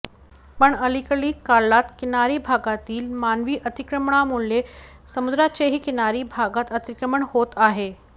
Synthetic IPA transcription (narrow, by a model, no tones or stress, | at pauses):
pəɳəlikəɭiːkalat̪kinaɾiːbʱaɡat̪iːlmanʋiːʔət̪ikɾəmɳamuɭe | səmud̪ɾat͡ɕeɦiːkinaɾiːbʱaɡat̪ət̪ikɾəməɳhot̪aɦe